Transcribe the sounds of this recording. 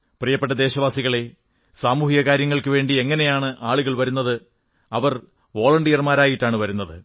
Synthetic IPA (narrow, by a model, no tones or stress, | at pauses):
prijɐpːeʈːɐd̪e̞ːɕɐʋaːsiɣɐɭe̞ | saːmuːɦijɐkaːɾjɐŋːɐɭkɨʋe̞ːɳɖieŋːɐne̞jaːɳɨʔaːɭuɣɐɭʋɐɾun̪ːɐðɨ | ɐʋɐr | ʋo̞ːɭɐɳɖijɐrmaːɾaːjiʈːaːɳɨʋɐɾunːɐðɨ